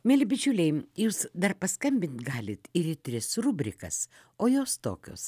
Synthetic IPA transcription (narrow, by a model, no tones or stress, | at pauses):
mʲɛlʲbʲɪt͡ʃʲʊlʲɛɪjuːsd̪ɐrpɐskɐmʲbʲɪnt̪ɡɑːlʲɪt̪ɪɾɪt̪ʲɾʲɪsɾʊbʲɾʲɪkɐ̰s | oːjoːst̪o̰ːkʲo̰ːs